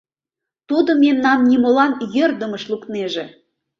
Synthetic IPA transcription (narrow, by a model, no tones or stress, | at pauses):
t̪ud̪ə̆memnɑmnʲimolɑnjørd̪ə̆məʃlukneʒĕ